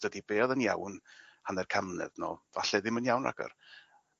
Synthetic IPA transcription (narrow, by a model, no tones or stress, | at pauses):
d̥ədibeːðənjawnhanɛrkʰamnɛ̰ðno̰ːvaɬɛðɪmənjawnra̰ɡ̥ɔ̰r